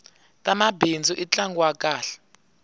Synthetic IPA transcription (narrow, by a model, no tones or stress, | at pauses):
tʼamabind͡zʱuʔit͡ɬʼaŋɡwakʼaːɬɛ̥